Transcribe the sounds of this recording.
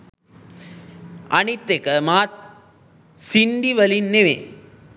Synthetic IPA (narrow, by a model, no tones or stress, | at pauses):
ʔɐnit̪ːekɐmaːt̪̚ | sinɖiʋɐlinːeʋḛ